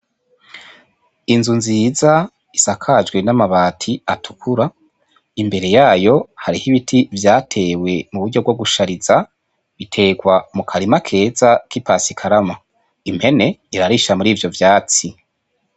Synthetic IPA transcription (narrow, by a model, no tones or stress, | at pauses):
inzunziːza | isakʰad͡ʒɡwenamaβaːtʰiatʰu̥kʰuɾa | imbe̞ɾe̞jaːjo̞haɾihiβitʰivjaːtʰe̞ːwe̞muβuɾɟo̞ɡo̞ɡuʃaɾiza | βitʰe̞ːɡwamukʰaɾimakʰe̞ːzakipasikʰaɾama | im̥he̞ne̞iɾaɾiʃamuɾiːvjo̞vjaːt͡si